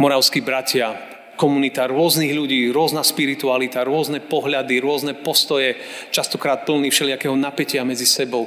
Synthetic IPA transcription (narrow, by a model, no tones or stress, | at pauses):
mɔɾaʊskibɾacɪa | kɔmunit̪aɾʊɔzniɣʎuɟiːɾʊɔznaʃpiɾit̪ualit̪aɾʊɔznɛpɔɦʎad̪iɾʊɔznɛpɔst̪ɔjɛ | t͡ʃast̪ɔkɾaːt̪̚pl̩nifʃɛʎɪakɛːɦɔnapɛcɪamɛd͡zisɛbɔʊ